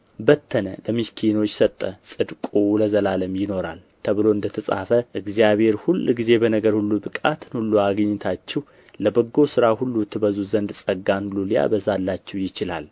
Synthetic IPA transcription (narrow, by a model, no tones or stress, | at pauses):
bət̪ʰːənə̰ləmiskʰino̞t͡ʃːsət̪ʼːəsʼɨd̪kʼuləzəlaləmjɪno̞ɾa̰l | t̪ʰəβɨlo̞ɨnd̪ət̪ʰəsʼa̰fəʔɨɡzjaβhe̞ɾhulːɡize̞bənəɡəɾhulːubɨkʼa̰t̪ʰɨnhulːuaɡɲːɪt̪ʰat͡ʃːɛw | ləbəɡːo̞sɨɾahulːut̪ʰːɨbəzuzənd̪sʼəɡːanlulja̰bəzalːat͡ʃːɛwjɪt͡ʃɪla̰l